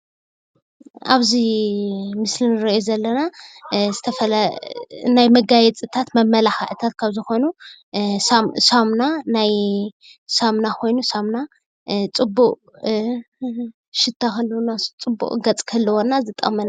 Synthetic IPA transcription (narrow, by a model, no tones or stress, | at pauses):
aβzi | mɨslinɨɾɐjuzɐlːɐnazɨt̪ʰɐfɐl | najmɐɡajɛt͡sʼɨt̪ʰat̪mɐmːɐlaħaʔɨt̪ʰat̪̚kʰaβzɨxo̞nu | sasamnanaj | samnakʰo̞jnusamna | t͡sʼɨbːuʔʼ | ʃɪt̪ʰːakʰɐlːɐwnat͡sʼɨbːṵʔʼɡɐt͡sʼkʰɐlːɐwonːazɨt̪ʼːɐ̰mɐna